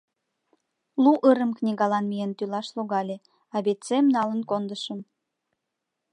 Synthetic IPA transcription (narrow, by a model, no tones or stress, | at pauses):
luʔəɾəmknʲiɣɑlɑnmijent̪ylɑʃluɣɑlʲe | ɑβet̪t͡semnɑlənkond̪əʃəm